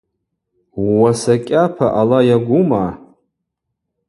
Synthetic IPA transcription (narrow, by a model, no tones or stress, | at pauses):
wwasakʲʼapʰaʔalajaɡʷʊma